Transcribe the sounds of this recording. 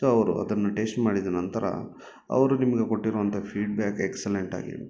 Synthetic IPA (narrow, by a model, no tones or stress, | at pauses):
uɐʋɐɾṵɐ̰d̪ɐnːuʈe̞ːsʈmaːɽid̪ɐnɐnt̪ɐɾɐ̰ | ɐ̰ʋɐɾunimɐɡe̞ko̞ʈːiɾuʋɐnt̪ʰɐpʰiːɖbjaːkekseleɳʈa̰ːɡḭ